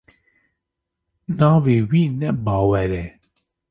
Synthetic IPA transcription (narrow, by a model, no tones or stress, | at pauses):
naːvewinɛbaːwɛɾɛ